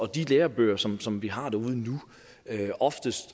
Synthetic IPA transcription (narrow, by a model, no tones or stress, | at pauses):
ɒ̽d̥ileːɐb̥ø̰ːɐsɒ̽msɒ̽mʋiɦɑ̈d̥æɐuð̞ˠnu | øɒ̽fd̥əsd̥